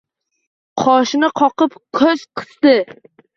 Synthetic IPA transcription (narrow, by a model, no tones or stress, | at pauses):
qʰɒʃnɪqʰɒqɨpkʰozqʰɨ̥sd̪ɪ